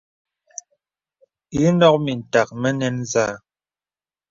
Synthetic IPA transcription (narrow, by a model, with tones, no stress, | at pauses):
ʉ˦nɔ˦k̚mi˨n̩˨ta˨k̚mɛ˦nɛ˦nzaː˦˨